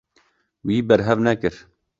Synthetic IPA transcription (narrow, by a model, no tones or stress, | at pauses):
wiːbɛɾɦɛvnɛkɨɾ